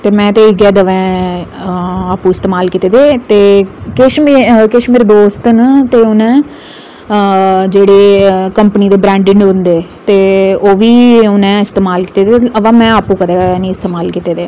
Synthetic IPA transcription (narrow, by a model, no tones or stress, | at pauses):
t̪eːmɛ̃ːt̪eːɪɡɛːd̪əʋɛ̃ː | aːpũːɪst̪eːmaːlkiːt̪eːd̪eːt̪eːkɪʃmkɪʃmɪɾd̪oːst̪ənt̪eːʊnɛ̃ː | d͡ʒeːɽeːkəmpniːd̪eːbɾɛ̃ːɳɖɪɳɖʊnd̪eːt̪eːoːʋiːʊnɛ̃ːɪst̪eːmaːlki̥t̪eːd̪eəʋãːmɛ̃ːaːpũːkəd̪eːnĩːɪst̪eːmaːlkit̪eːd̪eː